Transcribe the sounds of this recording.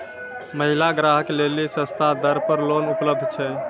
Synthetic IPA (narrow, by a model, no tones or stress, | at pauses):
məɦilaɡɾaɦəklelisə̃st̪ʰad̪əɾpəɾlonupləb̚d̪ʱt͡ʃʰɛ